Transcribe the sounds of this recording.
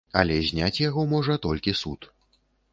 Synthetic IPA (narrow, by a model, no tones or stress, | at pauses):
ɐ̰lʲɛzʲnʲat͡sʲjaɣɔmɔʐɐt̪ɔlʲkʲisut̪